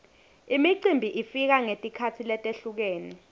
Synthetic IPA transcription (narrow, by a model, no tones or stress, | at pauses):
imiǀimbʱiʔifik̬aŋetʼikʰat͡sʰilɛtʼeɬuk̬eːni